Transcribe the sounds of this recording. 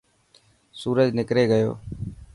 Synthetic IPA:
suːɾəd͡ʒnɪkɾeːɡəjo̰ː

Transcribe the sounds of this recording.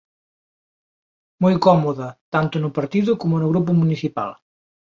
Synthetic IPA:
mojkɔmuðət̪ant̪unupɐɾt̪iðukɔmonuɣɾup̬umunisipa̰lˠ

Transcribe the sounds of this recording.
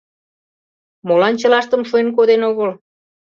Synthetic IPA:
molɑnt͡ɕə̆lɑʃt̪ə̆mʃuenk̬od̪enoɣəl

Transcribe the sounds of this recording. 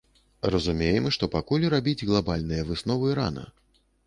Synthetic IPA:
rɐzumʲejɛmʂt̪ɔpakulʲɾabʲid͡zʲɣlˠabalʲnɨjɐvɨsnɔvɨɾa̰nɐ̰

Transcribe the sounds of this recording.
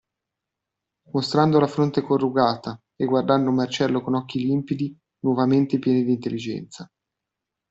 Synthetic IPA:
most̪ɾand̪olafɾont̪ekorːuɡaːt̪a | eɡward̪anːomart͡ʃɛlːokonɔkːilimpid̪i | nwɔvament̪epjɛːnid̪iːnt̪elːid͡ʒɛ̰nt̪sa

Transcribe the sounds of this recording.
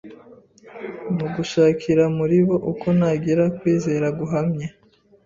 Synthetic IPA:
muɡuʃaːkʰiɾamuɾiβo̞ʔuko̞naɡiɾakwiːze̞ːɾaɡuɦamɲa

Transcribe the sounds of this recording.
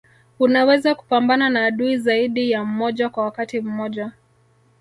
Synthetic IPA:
unawɛzaku̥pambananaːɗuizaiɗijam̩mɔʄakwawakatim̩mɔʄa

